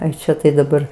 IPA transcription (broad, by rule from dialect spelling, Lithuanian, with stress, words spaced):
ˈɐɪ ˈt͡ʃʲɛ tɐɪ dɐˈbɐr